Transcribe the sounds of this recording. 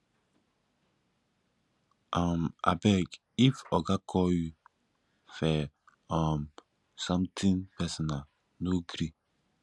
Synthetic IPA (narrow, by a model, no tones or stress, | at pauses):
ʔama̰bɛk | ifɔɡakʰɔju | fɛ | ãm | sɔ̃mtʰĩnpɛsɔna | noɡɾi